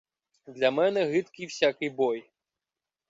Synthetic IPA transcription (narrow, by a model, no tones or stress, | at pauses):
d̪lʲamɛnɛɣɨt̪kʲiwsʲakɨjbɔj